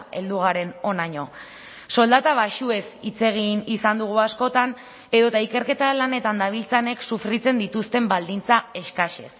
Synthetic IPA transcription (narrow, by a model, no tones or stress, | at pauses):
e̞̰ld̪uɣ̞aɾe̞no̞naɲo̞ | so̞ld̪at̪aβaʃue̞sit͡se̞ɣ̞inisand̪uɣ̞uasko̞t̪an | e̞ðo̞t̪aike̞ɾke̞t̪alane̞t̪and̪aβ̞ilt͡sane̞ksufɾit͡se̞nd̪it̪ust̪e̞mbald̪int͡sae̞skaʃe̞̰s